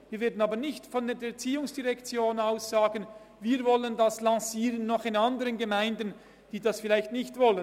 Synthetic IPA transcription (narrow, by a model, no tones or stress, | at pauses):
viːɐveːɐdn̩aːbənɪçtfɔndedɛɐt͡siːʊŋsd̥iʁɛkt͡sjoːnaʊsz̥aːɡən | viːɾvɔləndɑslɑ̃siːʁənːɔχɪnandəʁənɡəmaɪndən | d̥iːdɑsfɪlaɪçtnɪçtv̥ɔlən